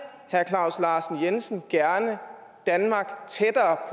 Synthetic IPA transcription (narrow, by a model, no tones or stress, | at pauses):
hæɐkʰlɑ̈ʊ̰slɑ̈ːsn̩jensn̩ɡ̥æɐnə | d̥ænmɑ̈ɡ̥t͡sʰed̥ɐːpʰ